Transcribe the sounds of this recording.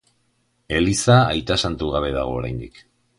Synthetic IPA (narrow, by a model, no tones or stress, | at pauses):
e̞lisaːjt̪asant̪uɣaβ̞e̞ða̰ɣ̞o̞ːɾa̰jnd̪ik